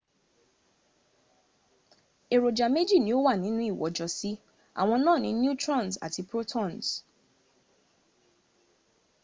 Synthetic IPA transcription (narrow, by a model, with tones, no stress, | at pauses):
e˨ɾo˨d͡ʒa˨me˦d͡ʒi˦˨nĩ˨˦o˦wa˦˨nĩ˨˦nũ˦i˦˨wɔ̰˨d͡ʒɔ˨si˦ | a̰˨w̃ɔ̃˧nã˦˨nĩ˨˦nju˦tɾɔ̃˦˨nsa̰˨ti˨pɾo˦tʰɔ̃˦˨ns